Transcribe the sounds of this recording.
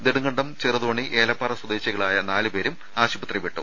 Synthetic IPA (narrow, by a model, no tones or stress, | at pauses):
d̪eɽuŋɡɐɳɖɐmt͡ɕerɐðoːɳiʔeːlɐpːɐːrɐswɐd̪eːɕjɐɣɐɭaːjɐnaːlɨpe̞ːɾum | aːɕubɐt̪riʋiʈːṵ